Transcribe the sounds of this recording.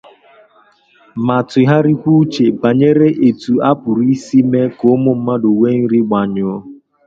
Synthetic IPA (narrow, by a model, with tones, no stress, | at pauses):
ma˨tʊ˨ɦa˦ɾi˦kʷu˦t͡ʃe˨ba˨ɲe˦ɾe˦ʔe˨tu˨a˦pʊ˨ɾi˦si˦me˦ko˨˦mʊ˦m̩˦ma˦do˨we˦n̩˦ɾi˦ɡ͡ba˨ɲʊ˨˦